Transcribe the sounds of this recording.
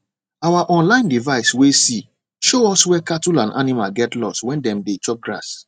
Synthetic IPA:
awaʔɔ̃nlãɪ̃ndivaɪswesi | ʃoɔswɛkatulãnʔa̰nimalɡɛtlɔswɛ̃ndɛ̃mdet͡ʃɔp̚ɡɹa̰s

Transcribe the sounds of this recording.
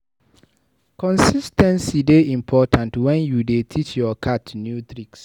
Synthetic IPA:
kɔ̃nsistɛ̃nsideĩmpʰɔtʰãntwɛ̃njudetʰit͡ʃjɔkʰatnjutɹiks

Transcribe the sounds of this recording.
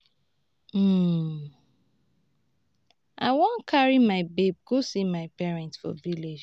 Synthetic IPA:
aɪwɔ̃nkʰaɹimaɪbeb̚ɡosimaɪpɛɹɛ̃ntsfɔ̰viled͡ʒ

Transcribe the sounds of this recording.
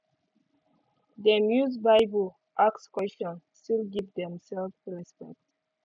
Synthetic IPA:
d̪əmjuzbaɪbəl | ʔakskwɛstɔ̃nstilɡivd̪ɛ̃msɛlfɹɛspɛ̰k̚t

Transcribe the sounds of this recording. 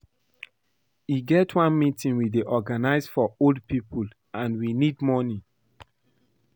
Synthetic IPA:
iɡɛtʰwãnmitĩnwideʔɔɡanaɪsfɔoldpipʰul | ãnwinidmɔnĩ

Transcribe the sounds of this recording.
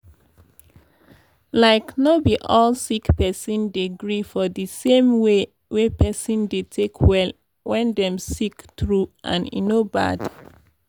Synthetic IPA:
laɪknobiʔɔlsikpɛsɔ̃ndeɡɹifɔðisẽmwe | wepɛsɔ̃ndetʰekʰwɛl | wɛ̃ndɛ̃msiktɹuʔã̰nḭnoba̰d̥

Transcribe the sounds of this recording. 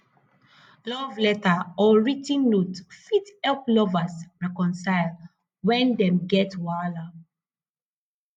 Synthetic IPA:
lɔvlɛtaɔɹitĩnːotfithɛlplɔvasɹɛkɔ̃nsaɪl | wɛ̃ndɛ̃mɡɛtwala

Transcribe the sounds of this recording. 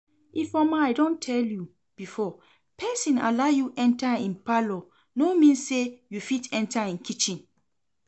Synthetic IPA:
ifɔmajdõntʰɛlju | b̥ifɔ | pʰɛsĩna̰lajuʔɛ̃ntaĩnpalɔ | nomĩnssejufitɛ̃ntʰaĩnkʰit͡ʃĩn

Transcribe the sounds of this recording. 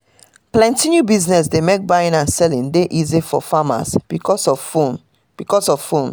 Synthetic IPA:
plɛ̃ntĩnjubiznɛs̬demek̚baɪ̃nãnsɛlĩndeʔizifɔ̰fama̰sb̥ikɔsɔfon | b̥ikɔsɔv̥fõn

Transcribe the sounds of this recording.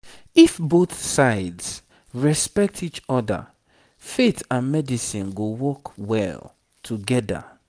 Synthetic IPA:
ifboθsaɪds | ɹɛspɛk̚tʰit͡ʃɔdə̰ | fetãnmɛdisĩnɡowɔkwɛ̰l | tʰuɡɛda̰

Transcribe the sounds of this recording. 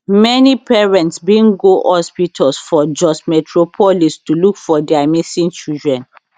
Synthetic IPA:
mɛnipɛɹɛ̃ntsbĩnɡoʔɔspitʰɔlsfɔd͡ʒɔsmɛtʰɹopʰɔlistulukfɔdɛamisĩnt͡ʃildɹɛ̃n

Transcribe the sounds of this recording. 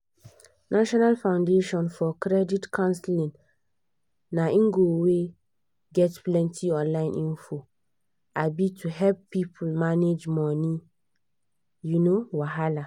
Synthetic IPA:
nʔaʃɔnalfãʊ̃ndeʃɔ̃nfɔkɾɛditkʰãnslĩŋ | nãĩŋɡowe | ɡɛtplɛ̃ntʰiɔ̃nlãɪ̃nʔĩnfo | abitʰuɦɛlppːipʰulmaned͡ʒmɔ̃nĩ | junowaɦala

